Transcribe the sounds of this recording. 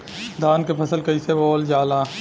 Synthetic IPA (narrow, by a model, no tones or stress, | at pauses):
d̪ʱaːnkepʰɐsəlkɐisebɔːld͡ʒaːlaː